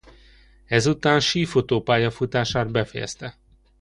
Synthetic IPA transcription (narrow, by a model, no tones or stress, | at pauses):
ɛzut̪aːnʃiːfot̪oːpaːjɒfut̪aːʃaːd̪̚bɛfɛjɛ̰st̪ɛ